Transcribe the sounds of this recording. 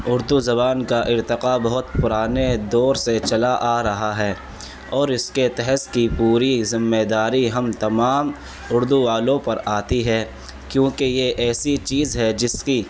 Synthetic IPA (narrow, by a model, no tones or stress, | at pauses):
ʊɾd̪uzɐβaːnkaʔɪɾt̪ɪqabɐɦʊt̪pʊɾaːned̪ɔːɾset͡ʃɐlaʔaːɾɐɦaɦɛː | ɔːɾɪsket̪ɛɦɛt̪kipuːɾizɪmːed̪aːɾiɦɐmt̪ɐmaːm | ʊɾd̪uʋaːlõpɐɾaːt̪iɦɛː | kjõːkejeʔɛːsit͡ʃiːzɦɛd͡ʒɪski